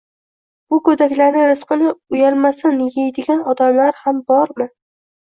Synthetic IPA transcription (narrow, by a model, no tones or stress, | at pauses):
bʊkɵd̪akʲlaɾnɪɾɪsqɨnɪʊjalmasɪnjʲajd̪ɪɡʲanɒd̪amlaɾhambɒɾmɪ